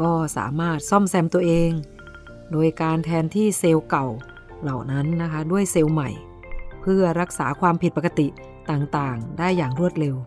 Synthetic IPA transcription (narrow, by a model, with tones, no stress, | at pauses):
kɔː˥˩sa̰ː˩˦maː˥˩t̪̚sɔ˥˩msɛ˧mt̪u˧ɐʔeː˧ŋ | doː˧jkaː˧nt̪ʰɛː˧nt̪ʰiː˥˩seː˧wka˨˩w | la˨˩wna˦˥nːa˦˥kʰa˦˥du˥˩əjse˧wma˨˩j | pʰɯ˥˩ɐɾa˦˥k̚saː˩˦kʰwaː˧mpʰi˨˩t̪̚pa˨˩ka˧t̪i˨˩ʔ | t̪aː˨˩ŋt̪aː˨˩ŋdaː˥˩jːaː˨˩ŋɾu˥˩ət̪̚ɾe˧w